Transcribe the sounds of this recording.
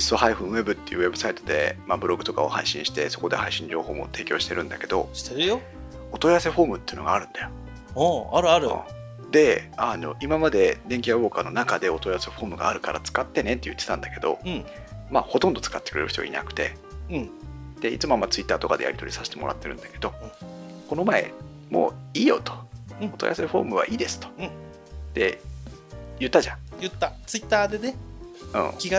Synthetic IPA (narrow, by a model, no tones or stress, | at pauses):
isːo̞haiɸɯ̃ɰ̃e̞bɯ̟t̪ːe̞jɯ̟ːe̞bɯ̟sait̪o̞d̪e̞̰mabɯ̟ɾo̞ɡɯ̟t̪o̞kaohaiɕĩɕi̥t̪e̞so̞ko̞d̪e̞haiɕĩɲd͡ʑo̞ːho̞ːmo̞̰t̪e̞ːkʲo̞ːɕi̥t̪eɾɯ̟̃nd̪ake̞d̪o̞̰ɕi̥t̪eɾɯjo | ot̪o̞iase̞ɸo̞ːmɯ̟t̪ːejɯ̟no̞ɡaːɾɯ̟̃nd̪ajo | oaɾɯ̟aɾɯ̰̃ | d̪e̞ano̞ʔimamad̪e̞d̪eŋkʲiabo̞ːkaːnonakad̪e̞o̞t̪o̞iase̞ɸo̞ːmɯ̟ɡa̰ːɾɯ̟kaɾʔat͡sɨ̥kat̪ːe̞ne̞t̪ːejɯ̟t̪ːet̪ãnd̪ake̞d̪o̞ | ma̰ːho̞t̪õnd̪o̞t͡sɨ̥kat̪ːe̥kɯ̟ɾe̞ɾɯ̟ç̥ʲt̪oa̰ḭna̰kɯ̟̥t̪ẽ̞̰ | d̪̥e̞it͡sɨmoamːat͡sɨit̪ːaːt̪o̞kad̪e̞ja̰ɾʲit̪o̞ɾʲisaɕi̥t̪e̞mo̞ɾʔa̰t̪ːe̞ɾɯ̟̃nd̪ake̞d̪o̞ | ko̞no̞mae̞̰ | mo̞̰ːiːjo̞̰t̪o̥ot̪oja̰seɸo̞̰ːmɯ̟βa̰ʔiːd̪e̞sɨ̥t̪o̥ | t̪e̞ | jɯ̟t̪ːaʑãjɯt̪ːat͡sɨit̪ːaːd̪eneɯ̰̃ːkʲiɡa